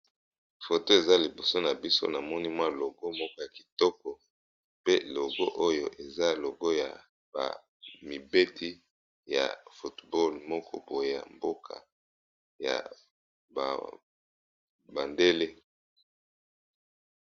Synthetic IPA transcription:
fo˨to˦e˨za˦li˨bo˨so˦na˨bi˦so̰˦na˨mɔ˦ni˦mwa˦lo˨ɡo˦mɔ˦kɔ˦ja˨ki̥˨tɔ˦kɔ˨ | pe˦˨lo˨ɡo˦ʔo˦jo̰˦˨ʔe˨za˦lo˨ɡo˦ja̰˨ | ba̰˨ | mi˨be˦tʰi˦ | ja̰˨fu˨tbɔ˦lmɔ˦kʰɔ˦bo˨˦a̰˨mbo˦kʰa̰˨ | ja̰˨ | ba̰˨ | ba˨nde˦le˦

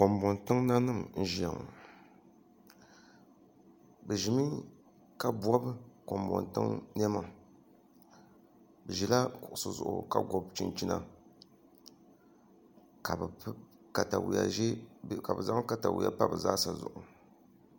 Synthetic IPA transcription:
ko˨mbɔ˨ntɨ˦ŋna˦nɨ˦˨ŋ̩˨ʒi˨a̰˨ŋ˨ | bɛ˨ʒi˨mi˦ | ka˦bɔ˦bko˨mbɔ̰˨ntɨ̰˦ŋn˦ɛ˦ma˨ | bɛ˨ʒi˨la˦kʊ˨ʔʊ˨sɨ˨zʊ̰˨ʔʊ̰˨ka̰˨ɡɔ˨bt͡ʃi˦nt͡ʃi˦na̰˨ | ka˨b | ka˨ta˨wja̰˨ʒɛ˦˨ka˨bɨ˨za˦ŋ˦ka˦ta̰˨wḭ˨a̰˨pa˦bɨ˨zaː˦sa˨zʊ̰˨ʔʊ˨

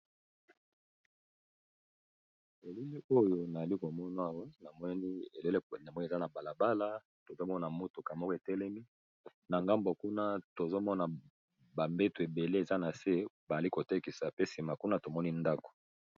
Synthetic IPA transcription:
e˨le˦li˦o˦jo˦na˨za˨li˦ko˨mɔ˦na˦a˨wa˦na˨mɔ˦ni˦e˨le˦lna˨mɔ˦ni˦˨za˦na˨ba˨la˨ba˦la˦ | to˨zo˦mɔ˦na˨mo˦to˨ka˨mɔ˦kɔ˦˨e˨tɛ˦lɛ˦mi˦ | na˨ŋɡa˦mbo˨ku˦na˦to˨zo˦mɔ˦na˨ | ba˨mbe˦tu˨e˨be˨le˦e˨za˦na˨se˦ba˨a˨li˦ko˨te˦ki˨sa˨pe˦si˨ma˨ku˦na˦to˨mɔ˦ni˦nda˦ko̥˨

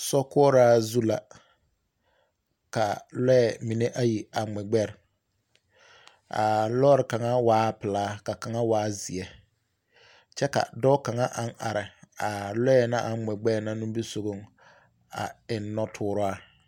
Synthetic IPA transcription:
sɔ˦kʊ˦ɔ˦ɾa˦zu˦la˨ | ka˨lɛ˦ɛ˨mi˨ne˦ʔa˦ji˨a˨ŋ͡mɛ˨ɡ͡bɛ˦ɾ | a̰˨lɔː˦ɾɪ˨ka˨ŋa˦waː˦pɪ˨laː˦ka˨ka˨ŋa˦waː˨˦zi˨ɛ˦ | t͡ʃɛ˦ka̰˨dɔ˦ka˨ŋa˦ʔa˦ŋʔa˨ɾɪ˨a˨lɛ˦ɛ˨na˦ʔa˨ŋ͡mɛ˨ɡ͡bɛ˦ɾna˦nũ˦mbi˦so˨ɡo˦ŋ | a̰˨ɪ˨nːɔ˦tʰʊː˦ɾʊ˦a˦

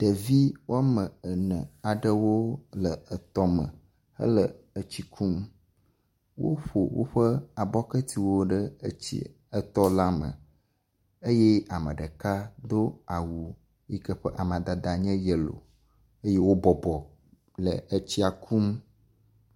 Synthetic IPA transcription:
ɖ̥ə˨vi˦wʔo˦mə̃˨ə˨nə̃˨a˨ɖə˦wo˦lə˨ə˨t̪ɔ˦mə̰˨ | hə̰˦lə˨ | ə˨t͡ɕi˦kʰu˦m | wo̰˦ɸo˨wo̰˦ɸə˦a˨bɔ˦kə˦t̪i˨wo˦ɖə˦ə˦t͡ɕḭ˦ | ə˨t̪ɔ˦la˦mə̰̃˨ | ə˦jɛ˦a˨mə̰˨ɖə˨ka˦d̪o˦a˨wu˨ | ji˦kə˦ɸə˦ʔa˨m˨a˨d̪a˨d̪a˨ɲɛ̃˦jə˨lo̰˨ | ə˦je˦wo˦bɔ˨bɔ˨ | lə̰˨ə˦t͡ɕi˦a˨kʰu˦m

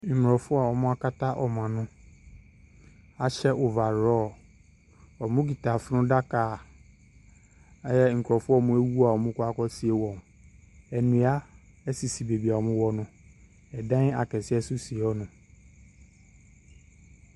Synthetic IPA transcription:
m̩˨m˨ɔ˨fʊ˦a˨ɔ˨mʊ̃˦a˦ka˦ta˦ʔɔ˨mã˨nʊ̃˦ | a˨ɕɛ˦ʔʊ˨va˨ɾɔː˦˨ | ɔ˨mʊ̃˦ɡi˨ta˨fɪ˦nʊ̃˦da˦kaː˨˦ | jɛ˦ŋ̩˨kɾɔ˨fʊ˦ɔ˦˨mʊ̃˦e˦wu˦a˨ɔ˨mʊ̃˦kʊ˦a˦kɔ˦si˦e˦wɔ̃˨m˨ | ɛ˨nũ˨˦a˦ | ɛ˦si˨si˨be˨bi˨a˨ɔ˨mʊ̃˦wɔ˨nʊ̃˦ | ɛ˨dã˦a˨kɛ˨sɪ˦ɛ˦sʊ˦si˨ɔ˦nʊ̃˨

